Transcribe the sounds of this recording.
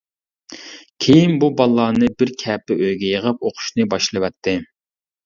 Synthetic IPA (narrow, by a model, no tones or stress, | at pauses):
kʲʰejinbubɑlˠːɑːnɨbɪɾkʲʰɛːpɪʔøjɡʲɛjəʁəp̚oqʰʊ̥ʃnɨbɑʃlˠɨwɛt̪ʰːɪ